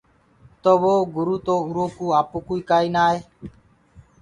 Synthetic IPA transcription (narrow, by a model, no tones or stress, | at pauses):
t̪oːʋoːɡʊɾuːt̪oːʊɾoːkuːaːpoːkuːiːkaːiːnaːɦeː